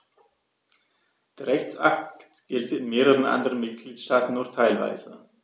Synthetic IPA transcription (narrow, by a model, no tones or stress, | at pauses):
d̥eːɐʁɛçt͡sʔa̰k̚ttɡ̥ɛltəɪnmeːʁəʁənʔa̰ndəʁənmɪt̚ɡ̥liːtʃtaːtn̩ːuːtʰaɪlva̰ɪzə